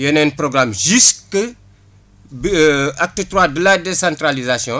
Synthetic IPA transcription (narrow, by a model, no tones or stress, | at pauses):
jɛnɛnprɔɡramʒyskə | bak̚tətɾwadəladesãntralizasjɔ̃